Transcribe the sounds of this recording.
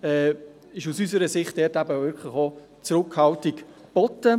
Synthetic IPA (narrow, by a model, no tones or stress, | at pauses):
ɛː | ɪʃusysəɾəsɪχt̚d̥ɛtæbəvʏkʰlɪχo | t͡sɾʊkhɑltɪk | b̥ɔtə